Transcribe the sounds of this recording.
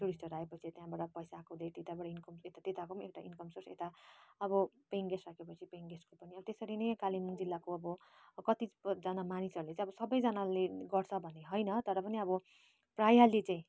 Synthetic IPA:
ʈuɾisʈʌɾaɦepʌt͡sʰit̪jãbaɽʌpʌjsakod̪ejt̪et̪abʌɽʌinkʌmet̪at̪et̪akoekʈaʔinkʌmsorsḛt̪aʌbʌpeŋɡesrakepʌt͡sʰipeŋɡeskopʌniʌbʌt̪esʌɾinʌjkalimund͡zilːakoʌbʌ | kʌt̪id͡zʌnamanisʌɾulet͡sãj̃ʌbʌsʌbʌjd͡zʌnaleɡʌrt͡sʰʌbʱʌnːeɦʌjnʌt̪ʌɾʌpʌniʌbʌ | prajalit͡sãĩ

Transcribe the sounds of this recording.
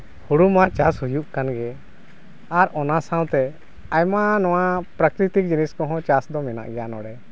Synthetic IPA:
huɽumat͡ʃashujuʔkanɡɛ | aɾɔnasãw̃t̪ɛ | ajmanɔw̃apɾəkɾit̪ik̚d͡ʒiniskɔɦɔ̃t͡ʃasd̪ɔmɛna̰ʔɡɛjanɔɽɛ

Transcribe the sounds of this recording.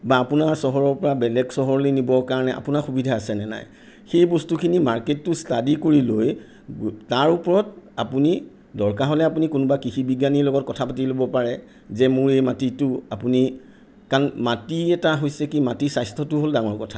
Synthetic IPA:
baːpʊnaɹsɔɦɔɹɔɹpɔɹabɛlɛɡsɔɦɔɹlojnibɔkaɹɔnɛʔa̰punaxubidʱaːsɛnɛna̰j | xejbɔstukʰinimaɹketːʊstadikoɹiloj | taɹupɔɹɔtapuni | dɔɹkaɦolɛapunikʊnubakixibiɡjanilɔɡɔt̚kɔtʰapatilobɔpaɹɛ | zɛmʊɹejmatitʊapuni | kanmatiɛtaɦojsɛkimatisajstʰɔtʊɦoldaŋɔɹkɔtʰa

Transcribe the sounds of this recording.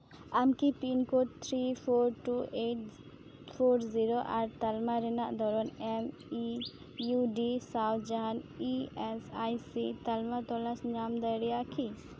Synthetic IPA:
amkipinkoʈt̪ʰɾipʰoɾʈuʔeʈ | pʰoɾziɾoʔaɾt̪almaɾɛnaʔd̪ɔɾɔnɛm | i | juɖisawt̪ʰd͡ʒaɦaniɛsajsit̪almat̪ɔlasɲamd̪əjɾɛjakʰi

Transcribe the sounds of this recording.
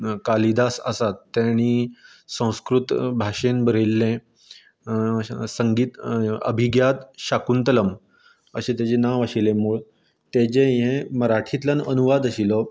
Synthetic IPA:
kalid̪asə̰sat̪ːjaɽ̃iː | sə̃w̃skɾut̪bʱaʂenbəɾelːẽ | səŋɡiːt̪ə̰bʱiɡjad̪ɕakunt̪ələm | əɕẽt̪jat͡ɕenaʋaɕilẽmuːɭ | t̪et͡ɕẽjẽməɾaʈʰit̪lanənuʋad̪əɕilɔ

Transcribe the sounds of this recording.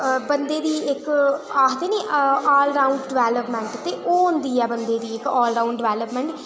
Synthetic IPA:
bənd̪eːd̪iːɪkaːkd̪eːneːaːlɾaːʊɳɖɖɪʋɛːləpmɛ̃ɳʈt̪eːʔoːɦʊnd̪iːɛːbənd̪eːd̪iːɪkɔːlɾaːũɳɖɖɪʋɛːləpmɛ̃ɳʈ

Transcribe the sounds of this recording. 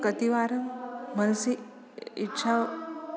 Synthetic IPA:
kət̪iʋaːɾɐmːɐnsi | itːɕʰa

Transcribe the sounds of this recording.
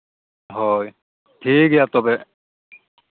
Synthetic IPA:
ɦɔj | ʈʰiːkjat̪ɔbe

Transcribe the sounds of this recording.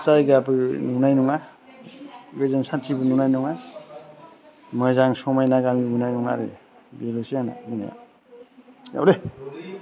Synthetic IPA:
sajɡaapɯjnunajnuŋa | bezansatʰibɯnunajnuŋa | mɔzaŋsɔmajnaɡamiɡunajnuŋa̰ɾḛbeɾosijana̰buna̰ja̰ | ja̰wle

